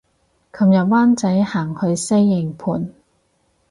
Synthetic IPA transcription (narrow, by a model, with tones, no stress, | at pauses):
kʰɐ˧mjɐ˨t̚waː˥nt͡sɐ˨˥jhaː˨˩ŋhɵ˨˧ɥse˥jːɪ˨˩ŋpʰuː˨˧n